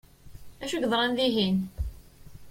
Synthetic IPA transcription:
æʃuʝðˤɾˤɑnðiɦin

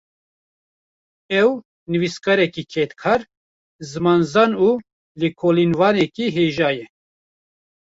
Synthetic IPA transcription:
ɛw | nɨviskɑɾɛkikʰɛt̪kʰaːɾ | zɨmɑːnzɑːnu | likʰolinvɑːnɛkiɦeːʒaːjɛ

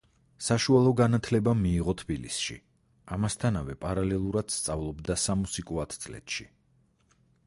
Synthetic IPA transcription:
saʃualˠɔɡanat̪ʰlɛbamiːʁɔt̪ʰbilḭsʃḭ | amast̪ʰanavɛpʼaɾalɛlˠuɾad̪̥st̪sʼavlˠɔbd̪asamusikʼuat̪ʰt̪sʼlɛ̰t̪ʃi

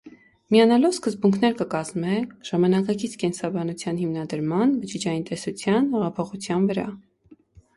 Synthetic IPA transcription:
miɑnɑlɔvskəzbuŋkʰnɛɾkəkɑzmɛʒ̥ɑmɑnɑkɑkit͡sʰkɛnsɑbɑnut͡sʰjɑnhimnɑd̪əɾmɑnbəd͡ʒid͡ʒɑjint̪ɛsut͡sʰjɑnɛʁɑpʰɔχut͡sʰjɑnvəɾɑ̰

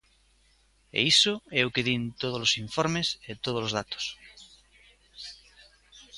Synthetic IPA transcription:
ḛisoeukeðint̪oð̞olosiɱfoɾmeset̪oð̞olozðat̪o̥s

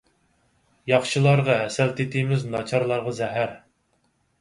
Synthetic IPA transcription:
jɑχʃilˠɑɾʁɑɦɛsɛlt̪ʰet̪ʰɪmɪznɑt͡ʃʰɑɾlˠɑɾʁɑzɛɦæɾ

